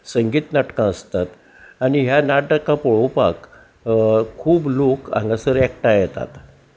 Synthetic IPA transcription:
səŋɡiːt̪naʈkãəst̪at̪ | aɽ̃iɦjanaʈəkːãpoɭowpa̰k | kʰːuːblokã̰ŋɡasəɾɛk̚ʈajɛt̪a̰t̪

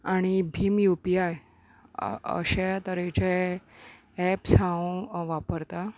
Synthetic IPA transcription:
aɽ̃ibʱimjupiaj | ə̰ɕat̪əɾet͡ɕe | ɛpsãũʋapəɾt̪a

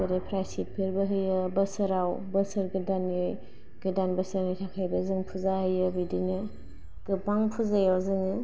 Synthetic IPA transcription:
ɯɾapʰɾajsit̚pʰiɾbɐɦɯjɯbɐsɯɾawbɐsɐɾɡɯdanɯj | ɡ̥ɯdanbɐsɐɾnitʰakʰajbɐzɯŋpʰuzahɯjɯbidinɯ | ɡ̥ɯpaŋpʰuzajazɯŋɯ

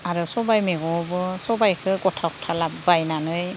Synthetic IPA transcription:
aɾɯsɔbajmeɡɔbɯsɔbajkʰɯɡɔtʰakʰɔ̥tʰalabbajnanɯj

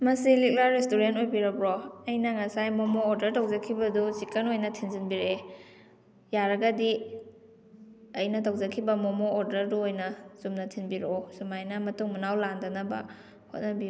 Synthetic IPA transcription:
mɐsilik̚laɾestuɾentojbiɾɐbɾoɐjnɐŋɐsajmomoːɾdɐɾtʰawzɐkʰːibɐdusikenojnɐtʰinzinbiɾe | jaɾɐɡɐdi | ɐjnɐtʰawzɐkʰːibɐmomoːɾdɐɾduojnɐz̥umnɐtʰinbiɾɔsumajnɐmɐtuŋmunawlandɐnɐbɐ̰ | hot̚nɐbiu

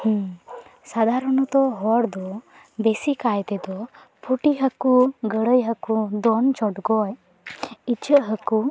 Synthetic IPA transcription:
hũsad̪ʱaɾɔnɔt̪ɔɦɔɽd̪ɔ | bɛsikajt̪ɛd̪ɔ | pʰuʈiɦəkuɡəɽəjɦəkud̪ɔnt͡ʃɔɖɡɔj | it͡ʃəʔɦəku

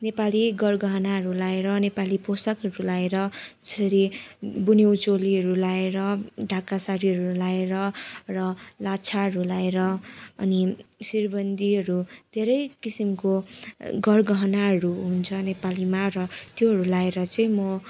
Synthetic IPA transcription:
nepaliɡʌrɡʌɦʌnaɦʌɾulaeɾʌnepaliposʌkɦʌɾulaeɾʌd͡zʌ̥sʌɾibunewt͡soliɦʌɾulaeɾʌɖʱakasaɽiɦʌɾulaeɾʌrʌlat͡sʰaɦʌɾulaeɾʌʌnisirbʌnd̪ʱiɦʌɾud̪ʱeɾʌjkisimkoɡʌrɡʌɦʌnaɦʌɾuɦunt͡sʰʌnepalimaɾʌt̪joɦʌɾulaeɾʌt͡sʌĩmʌ

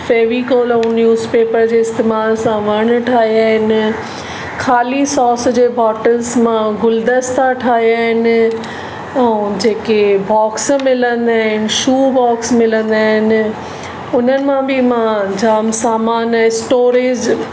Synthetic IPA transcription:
feːʋikoːlõnjuːzpeːpəɾd͡ʑeːɪst̪eːmaːlsãʋɐɽ̃ʈʰaːɦiaːɦɪnɪ̆ | kʰaːlisɔːsd͡ʑeːbʱɔːʈəlzmãɡʊld̪əst̪ʰaʈʰaːɦiaːɦɪnɪ̆ | ɛ̃d͡ʑeːkebɔːksmɪlə̃nd̪aːɦɪnɪʃuːbɔːksmɪlə̃nd̪aːɦɪnɪ̆ | ʊnənɪ̆mãbʱɪmãd͡ʑaːmsaːmaːnɛsʈoːɾɪːd͡ʑ

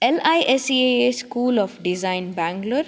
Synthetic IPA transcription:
elajʔesieeskuːlɔːfɖizãɪnbæ̃ːŋɡləɾ

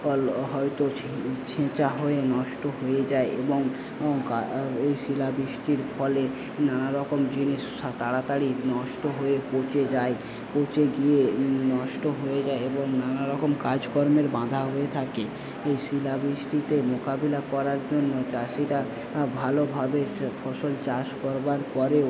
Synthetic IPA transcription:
ɔlɦɔet̪o | t͡ɕʰẽt͡ɕaɦoenɔʃʈoɦojed͡ʑaeʔeboŋ | kaejʃilabɾiʃʈiɾfɔle | nanaɾɔkomd͡ʑiniʃʃat̪aɽat̪aɽinɔʃʈoɦoepot͡ɕed͡ʑae | põt͡ɕeɡienɔʃʈoɦoed͡ʑaeeboŋnanaɾɔkomkaɾd͡ʑkɔɾmeɾbãd̪ʱaɦoet̪ʰake | ejʃilabɾiʃʈit̪emokabilakɔɾaɾd͡ʑonːot͡ɕaʃiɾa | bʱalobʱabefʰɔʃolt͡ɕaʃkɔɾbaɾpɔɾe

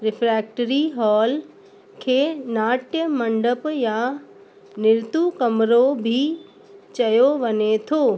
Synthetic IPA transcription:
ɾɪpʰɾɛːk̚ʈəɾiɦɔːl | kʰeːnaːʈjəmə̃ɳɖəpja | nɪɾt̪ukɐmɾobʱi | t͡ʃɐjoʋɐnet̪ʰoː

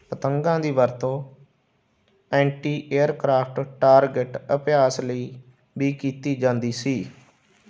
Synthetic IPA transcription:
pət̪əŋɡãːd̪iːʋəɾt̪õː | ɛ̃ːɳʈiːʔeːəɾkɾaːpʰʈʈaːɾɡɪʈəpɪjaːsləiː | biːkiːt̪iːd͡ʒãːnd̪iːsiː

